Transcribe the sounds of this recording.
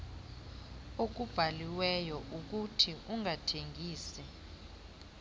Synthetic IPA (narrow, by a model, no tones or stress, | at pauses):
ok̬ub̥ʱaliwɛjɔʔuk̬utʰiuŋʱatʰeŋɡʱiːsɛ